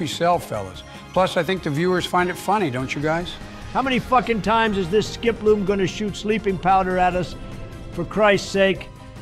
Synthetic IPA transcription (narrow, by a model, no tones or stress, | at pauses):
isɛlˠfɛ̰lˠo̰ʊz̥ | pʰl̥ʌsaɪθɪ̃ŋk̚ðɨvjʉə˞z̥fãɪ̃ndɨtfʌnidõʊ̃nt͡ʃɨɡaɪz̥ | haʊmɛnifʌkɨ̃ntʰãɪ̃mzɨzðɪskɪplũmɡʌ̃nɨʃʉtslipɪ̃ŋpʰaʊɾə˞ɨɾʌs | fə˞kʰɹ̥aɪstseɪk